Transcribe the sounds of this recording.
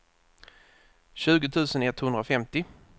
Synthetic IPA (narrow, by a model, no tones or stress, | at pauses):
ɕʉ̟ːɡət̪ʰʉ̟ːsənɛt̪ːhɵnd̪ɾafɛmt̪ɪ